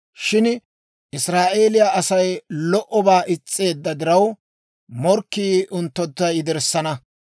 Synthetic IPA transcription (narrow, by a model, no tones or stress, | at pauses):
ʃɪn | ʔɪsɾaːʔe̞ːlɪjaʔɐsɐjlɔʔɔbaːʔɪt͡sʼːe̞ːd̪ːɐd̪ɪɾɐw | mɔɾkːiːʔʊnt̪ːɔt̪ːɐjɪd̪ɛɾsːɐnɐ